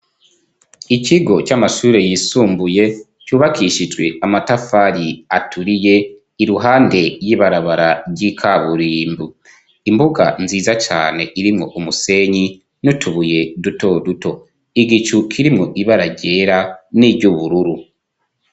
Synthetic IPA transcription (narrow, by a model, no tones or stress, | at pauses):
iciɡo̞t͡ʃamaʃuːɾe̞jisuːmbuje̞ | cuːβakʰiʃid͡ʒɡwe̞amatafaɾiatʰuɾije̞ | iɾuɦaːnde̞jiːβaɾaβaɾaɟikʰaβuɾiːmbu | imbuɡa̰nziːzat͡ʃa̰ːne̞ʔiɾimŋo̞ʔumuse̞ɲi | nutʰuβuje̞duto̞duto̞ | iɡit͡ʃukʰiɾimŋo̞ʔiβaɾaɟe̞ɾaniːvɟuβuɾuɾu